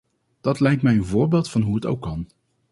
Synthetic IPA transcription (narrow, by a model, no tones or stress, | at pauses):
d̥ɑtlɛjk̚tmɛjənvʊːɹbeːlˠtfɑnɦuɦəto̰wkːɑn